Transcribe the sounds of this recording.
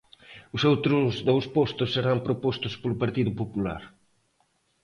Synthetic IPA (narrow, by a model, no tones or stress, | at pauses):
ʊsowt̪ɾʊzðowspɔst̪ʊsːeɾampɾopɔst̪ʊspolʊpaɾt̪iðʊpopula̰ɾ